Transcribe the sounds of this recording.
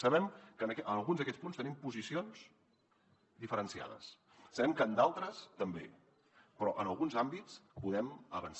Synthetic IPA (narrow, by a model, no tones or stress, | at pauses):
səβɛmkənəkɛʔənəlˠɣunzðəkɛt͡spunst̪ənimpuzisions | d̪ifəɾənsia̰ðə̰s | səβɛmkəːnd̪alˠt̪ɾəst̪əmbḛ | pɾɔʔənəlˠɣunzambit͡spuðɛməβəns